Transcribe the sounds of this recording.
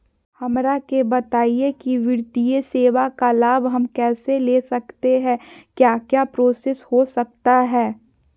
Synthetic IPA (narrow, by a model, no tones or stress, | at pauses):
hɐmɾakebɐt̪aːiekiʋɪɾt̪ijeseːʋakalaːbɦɐmkɛːseleːsɐkt̪eɦɛ̃ːkjaːkjaːpɾoːseshosɐk̚t̪aɦɛː